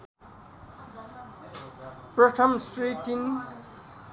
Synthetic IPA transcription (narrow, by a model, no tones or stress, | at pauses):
prʌtʰʌmsʈriʈin